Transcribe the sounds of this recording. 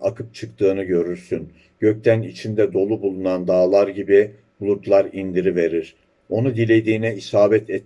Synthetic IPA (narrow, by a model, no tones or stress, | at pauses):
a̰kʰɯp̚t͡ʃʰɯkt̪ʰɯːnɯɟø̞ɾyɾsyn | ɟ̥ø̞c̚t̪ʰænit͡ʃʰind̪ɛd̪o̞lˠubulˠunand̪aːlˠaɾɟibi | ulˠut̪lˠaɾind̪iɾive̞ɾiɾ̥ | o̞nud̪ilʲe̞d̪iːnɛisaːbɛt̪ʰɛt̪